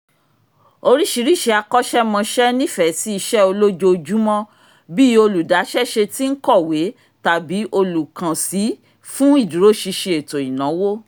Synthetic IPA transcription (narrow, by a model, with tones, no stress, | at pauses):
o˧ɾi˦ʃi˨˦ɾi˦˨ʃe˧a˧kɔ˦ʃɛ˦mɔ̃˧ʃɛ˦nĩ˦fɛ˨ti˦i˧ʃɛ˦o˧lo˦d͡ʒo˧d͡ʒu˦mɔ̃˦ | bi˦o˧lu˨da˨˦ʃɛ˦ʃe˧ti˦n̩˦kɔ˦˨we˨˦ | ta˨bi˨˦ʔo˧lu˨kã˨si˨˦ | fũ˦i˦˨du˨ɾo˨˦ʃi˧ʃẽ˧e˨to˨i˨nã˨˦wo˦